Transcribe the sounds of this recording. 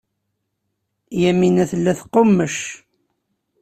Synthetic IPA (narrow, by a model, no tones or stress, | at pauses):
jæminæθəlːæθqːomːəʃ